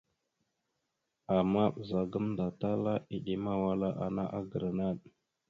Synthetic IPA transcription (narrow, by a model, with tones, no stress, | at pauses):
a˨ma˦ɓə˨za˨ɡə˦mnda˨ta˦la˦i˨ɗi˦ma˦wa˦la˦ʔa̰˨na˦ʔa˦ɡə˨ɾna˦˨ɗ